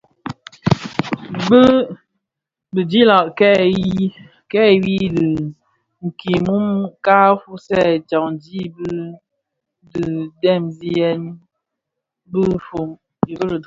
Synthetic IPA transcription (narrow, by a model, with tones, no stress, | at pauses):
bə˦ | bə˨d͡ʒi˦la˨ʔkɛ˦˨ji˦ | kɛ˦˨wi˦dɨ˨ | ŋ̩˨ki˨mu˦mka˦fu˦sɛ˦˨t͡ʃa˨ŋd͡ʒi˦bɨ˦ | dɨ˨dɛ˦˨mzi˦jɛ˦n˦ | bɨ˦fo˨ | ji˨bə˦lə˨